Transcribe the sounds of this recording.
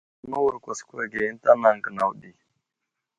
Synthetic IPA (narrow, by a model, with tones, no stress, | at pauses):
nu˦wu˨ɾkʷa˨ske˦ɡe˨ji˦n˦ta˦na˨ŋ˨ɡə˨na˨wɗi˨